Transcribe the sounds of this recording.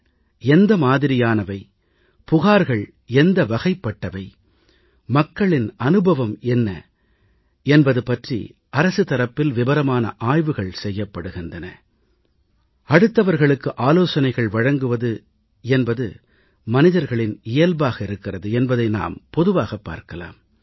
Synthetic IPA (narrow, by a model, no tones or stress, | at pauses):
ɛnd̪ɐmaːðɪɾɪjaːnɐʋɐɪ | pʊɣaːɾɣɐɭ | ɛnd̪ɐʋɐɣɐɪpːɐʈːɐʋɐɪ | mɐkːɐɭɪnɐnɯbʱɐʋɐmɛnːɐ̰ | ɛnbɐðɯpɐʈrḭ | ɐɾɐsɯt̪ɐɾɐpːɪlʋɪbɐɾɐmaːnɐ̰ʔaːjʋɯɣɐɭsɛjːɐpːɐɽɯɣɪndrɐnɐ̰ | ɐɽɯt̪ːɐʋɐɾɣɐɭɯkːɯʔaːloːsɐnɐɪɣɐɭʋɐɻɐŋɡɯʋɐðɯ | ɛnbɐðɯ | mɐnɪðɐɾɣɐɭɪnɪjɐlbaːɣɐɪɾɯkːɪrɐðɯɛnbɐðɐɪna̰ːmpɔðɯʋaːɣɐpːa̰ːɾkɐla̰ːm